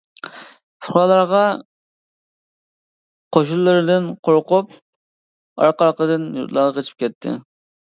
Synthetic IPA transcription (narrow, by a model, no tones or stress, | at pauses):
sʊɾɑlˠɑɾʁɑ | qʰoʃulˠːɨɾɪd̪ɪnqʰoɾqup | ɑ̰ɾqɑɾqəd̪ɨnjṵt̪lˠɑʁɑqʰʲet͡ʃʰi̥p̚kʲʰɛt̪ʰːɪ̰